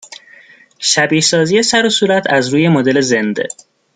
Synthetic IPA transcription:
ʃæbiːhsɒːzije̞sæɾo̞suːɾæt̪ʰæzɾuːje̞mod̪e̞le̞zend̪e̞̰

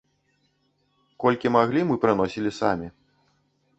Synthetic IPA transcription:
kɔlʲkʲimaɣlʲimɨpɾɨn̪ɔsʲilʲisamʲi

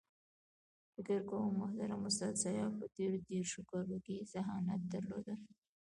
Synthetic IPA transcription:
fɪkəɾkomahd̪aɾamʊst̪ad̪sɑjɑpət̪eɾod̪eɾʃokɑɾokezaɦɑnat̪̚d̪aɾlo̰d̪ə

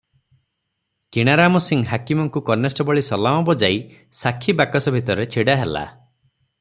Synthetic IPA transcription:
kiɽ̃aɾamɔsiŋɦakimɔŋkukɔɾnesʈɔbɔɭisɔlamɔbɔd͡ʒaj | sakʰibakɔsɔbʱit̪ɔɾɔɾet͡ʃʰiɽaɦela̰

